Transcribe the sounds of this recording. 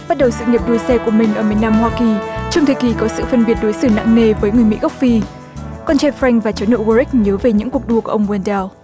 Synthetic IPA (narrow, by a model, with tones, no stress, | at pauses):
ɓa˦˥t̚ɗə˨˩wsɨ̰˧˨ŋi˨˩əp̚ɗu˧˩əjsɛ˧ku˧˩əmï˨˩ŋ̟ʔəː˧˩mi˨˩ənːaː˧mhwaː˧ki˨˩t͡ɕɔ˧wŋ͡mt̪ʰɨ˨˧˩ki˨˩kɔ˨˦sɨ̰˧˨fə˧nɓi˨˩ət̚ɗo˨˦jsɨ˧˩na̰˧˨ŋŋe˧vəː˨˦jŋɨ˨˩əjmḭ˧˥ɣə˦˥wk͡p̚fi˧ | kɔ˧nt͡ɕaː˧fɾa˧jŋ̟vaː˨˩t͡ɕə˨˦no̰˧˨ɣu˧ɾi˦˥k̚ɲəː˨˦ve˨˩ɲɨ̰˧˥ŋku˨˩ək̚ɗu˧əku˧˩əʔə˧wŋ͡mwɛ˧ntɛ˧w